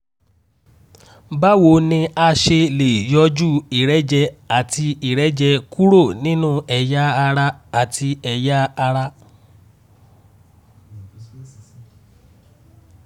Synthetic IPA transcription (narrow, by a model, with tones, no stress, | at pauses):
ba˦wo˨nĩ˧a˧ʃe˧le˨jɔ˧˦d͡ʒu˦i˨ɾɛ˦d͡ʒɛ˧a˨tʰi˧i˨ɾɛ˨˦d͡ʒɛ˧ku˦ɾo˦˨nĩ˦nũ˦ɛ˨ja˦a˧ɾa˧a˨tʰi˧ɛ˨ja˦a˧ɾa˧